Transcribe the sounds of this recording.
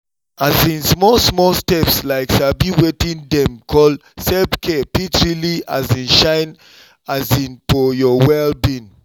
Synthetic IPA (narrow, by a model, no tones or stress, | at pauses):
azĩnsmɔlsmɔlstɛpslaɪksabiwetĩndɛ̃mkʰɔlsɛbkʰepitɹilia̰zĩnʃãɪn | azĩnfɔjɔwɛlbĩn